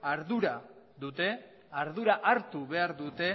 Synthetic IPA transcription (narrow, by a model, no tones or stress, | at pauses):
aɾðuɾa | ðut̪e̞ | aɾðuɾaʔaɾt̪uβe̞aɾðut̪e̞